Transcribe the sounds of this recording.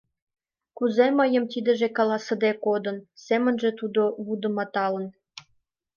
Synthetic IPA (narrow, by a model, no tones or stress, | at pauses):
kuzeməjə̆mt̪id̪ə̆ʒekɑlɑsə̆d̪ekod̪ə̆nsemə̆nʒĕt̪ud̪oβud̪ə̆mɑt̪ɑlən